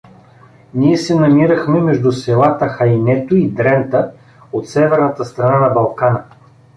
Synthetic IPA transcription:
niɛsɛnɐmiɾɐxmɛmɛʒd̪ʊsɛlˠat̪əxɐjnɛt̪oid̪ɾɛnt̪ə | ot̪sɛvɛɾnɐt̪əst̪ɾɐnanɐbɐlˠkanə

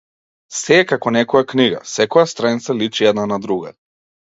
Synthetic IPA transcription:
sɛkakɔnɛkɔjakniɡa̰sɛkɔjast̪ɾajnt̪salit͡ʃiɛd̪nanad̪ɾuɡa̰

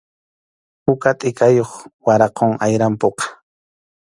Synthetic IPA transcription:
pʊkat̪ʼɪkajoχwaɾɑqoŋajɾampoqɑ̥

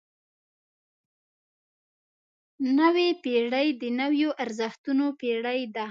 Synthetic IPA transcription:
nəwepeɽəjd̪ənawjoʔaɾzəxt̪unopeɽəjd̪a

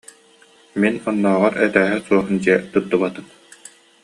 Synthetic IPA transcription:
minɔnːɔːʁɔɾɛt̪æːɦɛsuɔɦɯnd͡ʑiɛt̪ut̪ːuβat̪ɯm

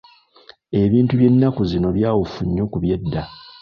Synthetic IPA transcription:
e̞βiːntuβje̞nːakuzino̞βjaːwofuɲːo̞kuβje̞dːa

